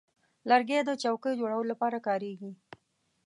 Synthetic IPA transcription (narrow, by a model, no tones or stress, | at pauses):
laɾɡed̪ət͡ʃawkəjd͡ʒoɽawəlolapɑɾakɑɾeɡi